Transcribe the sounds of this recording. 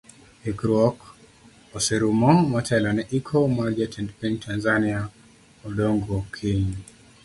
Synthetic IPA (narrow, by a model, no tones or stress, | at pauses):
ikɾuɔk | ɔsɛɾumɔmɔtʰɛlanɛʔikʰɔmaɾɡatʰɛndpintʰanzania | ɔdɔŋɡɔkʰiɲ